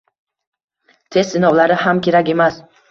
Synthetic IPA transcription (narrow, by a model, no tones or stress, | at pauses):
t̪ʰe̞st̪ːɪnɒwlaɾɪamkʲʰe̞ɾakʲe̞mas